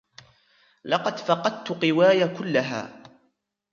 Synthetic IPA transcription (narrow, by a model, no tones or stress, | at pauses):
lɑqɑd̪fɑqɑd̪̚t̪ʊqɪwaːjakʊlːaɦa̰ː